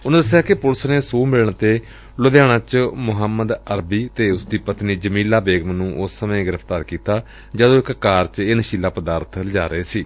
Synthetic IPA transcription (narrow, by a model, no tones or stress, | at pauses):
ʊnãːd̪əsːɪjaːkɪpʊlsneːsoːmɪlɳt̪eː | lʊd̪jaːɽ̃ãːt͡ʃmʊɦəmːəd̪əɾbiːt̪eːʊsd̪iːpət̪niːd͡ʒəmiːlaːbeːɡmnũːʔʊsːəmẽːɡɪɾəpʰt̪aːɾkiːt̪aː | d͡ʒəd̪õːɪkkaːɾt͡ʃenəʃiːlaːpəd̪aːɾt̪ʰləd͡ʒaːɾʔəeːsiː